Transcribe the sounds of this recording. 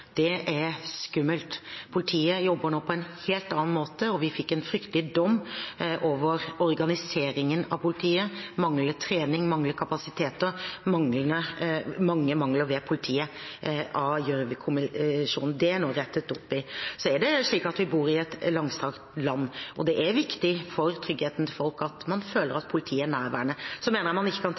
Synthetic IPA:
d̪̥ɛʔæɾskʉmːəlt̪pʰʊlɪt̪ʰiːəjɔbːəɳoːpʰɔɛnheːlt̪ɑːnmoːt̪əɔʋɪfɪkːɛnfɾʏkt̪əlɪd̪ɔmːʔoːʋəɾɔɾɡɑnɪseːɾɪŋənɑ̰ʋpʰʊlɪt̪ʰiːəmɑŋlət̪ʰɾeːnɪŋmɑŋləkʰɑpɑsɪt̪ʰeːt̪əmɑŋlənəmɑŋːəmɑŋləɾʋɛpʰʊlɪt̪ʰiːə | ɑjøːɾəʋɪkʰʊmɪʂṵːnn̩d̪ɛæɳoːɾɛt̪ːət̪ɔpːɪsɔæɖɛʂɭiːkɑt̪ʋɪbuːɾɪɛt̪lɑŋst̪ʰɑːkt̪lɑnːʔɔd̪ɛʔæɾʋɪkt̪ɪfɔɾt̪ʰɾʏɡheːt̪n̩t̪ʰɪfɔlkɑt̪mɑnføːləɾɑt̪̚pʰʊlɪt̪ʰiːəæɳæːɾʋæːəɳəsɔmeːnəɾɑmɑnɪçːəkʰɑn

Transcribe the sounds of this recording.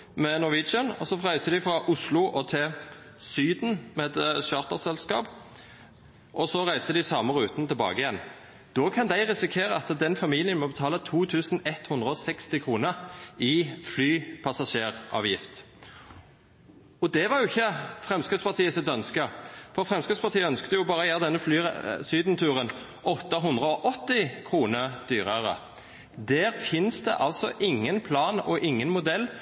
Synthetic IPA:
mɛnɔʋɪd͡ʒənɔsɔfʁæɪsəd̪ɪfɾɑʔʊslʊʔɔt̪ʰɪl | syːd̪n̩mɛt̪ʃɑːʁt̪əʁsɛlskɑ̰ːp | ʔɔsɔʁæɪsəd̪ɪsɑməɾʉːt̪nət̪ʰɪlbɑ̰ːɡəɪjɛnː | d̪̥oːkʰɑnd̪æɪʁɛsɪkʰeːʁəɑt̪d̪ɛnfɑmiːlɪənmɔbət̪ʰɑːlət̪ʰuːt̪ʰʉːsn̩ɛt̪hʉnd̪ʁəɔsɛkst̪ɪkʰʁuːnəɾɪflyːpʰɑsɑʃeːʁʔɑ̰ːʋjɪft̪ | ɔd̪ɛʋɑʁjʊɪçːəfʁɛmskɾɪd̪spɑʁt̪ʰiːəsɪt̪œnskəfɔʁfʁɛmskɪspʰɑt̪ʰiːəœnskt̪əjʊbɑːɾəjæːʁəd̪ɛnːəfly̰ːsyːd̪n̩t̪ʰʉːʁən | ɔt̪ːəɦʉnd̪ʁəɔʔɔt̪ːɪkʰʁuːnəʁd̪̥yːʁəʁə̰ | d̪æːʁfɪnsd̪ɛ̰ʔɑlsɔ̰ʔɪŋːənpʰlɑːnɔʔɪŋːənmʊd̪ɛlː

